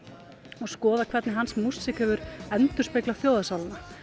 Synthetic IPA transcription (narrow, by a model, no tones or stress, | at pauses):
ɔɣskɔːðakʰv̥ɛɾt̪nɪɦansmussɪkhɛvʏɾɛnt̪ʏ̥spejklafjoːwðasawlana